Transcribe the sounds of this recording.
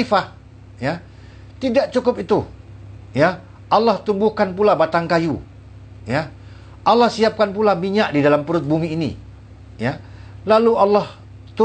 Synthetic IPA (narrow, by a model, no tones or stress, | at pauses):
ifa | ja | t̪idaʔt͡ʃukʊpit̪u | ja | alːaht̪ubʊhkanpulabat̪aŋkaju | ja | ʔalːahsiap̚kanpulamiɲaʔdidalampuɾʊt̪̚bumiːnḭ | jalalualːah | t̪u